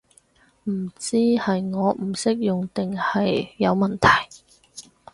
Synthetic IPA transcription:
m̩˨˩t͡siː˥hɐ˨jŋɔː˨˧m̩˨˩sɪ˥k̚jʊ˨ŋt̪ɪ˨ŋhɐ˨jːɐ˨˧wmɐ˨˩nt̪ʰɐ˨˩j

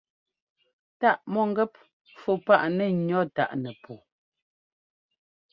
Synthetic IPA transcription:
ta˦ʔmɔ˦˨ŋ˦ɡɛ˦p̚ | fo˨pa˦ʔnɛ˦˨ɲɔ˦ta̰˦˨ʔnɛ˨po˨

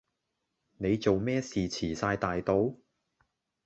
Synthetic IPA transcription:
ne˨˧jt͡so˨wmɛː˥siː˨t͡sʰiː˨˩saː˧jt̪aː˨jt̪o˨˧w

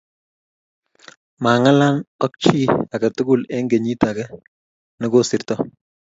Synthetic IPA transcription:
ma˨ŋa˦la˦nɔ˦k̚t͡ʃi˦a˨kɐ˨tʊ˦ɡʊ˦lɛ˦ŋɡe˨ɲi˦ta˨kɛ˦ | nɔ˦ɡo˦si˨ɾtɔ˦

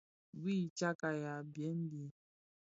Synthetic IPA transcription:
wiː˦˨t͡ʃa˦ka˨ja˨bje˦n̩˦di˦

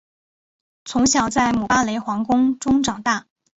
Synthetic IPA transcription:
t͡sʰʊ˧˥ŋɕjɑ˨˩ʊt͡sa˥˩ɪmu˨˩pa˥le˧˥ɪxwɑ˧˥ŋkʊ˥ŋʈ͡ʂʊ˥ŋʈ͡ʂɑ˨˩ŋt̪a˥˩

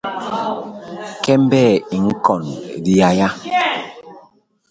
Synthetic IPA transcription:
kɛ˦m˦bɛː˦˨i˨ŋ̩˦kɔ˨n˨di˦ja˦ja˦

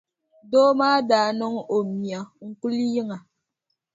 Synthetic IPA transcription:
doː˦maː˦daː˨nɔ˦ŋo˨mi˨a˨ŋ̩˨ku˦li˦ji˦ŋa˨

